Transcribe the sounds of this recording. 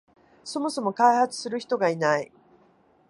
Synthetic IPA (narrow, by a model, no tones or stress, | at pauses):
so̞mo̞so̞mo̞kaihat͡sɨ̥sɨɾɯ̟çi̥t̪o̞ɡainai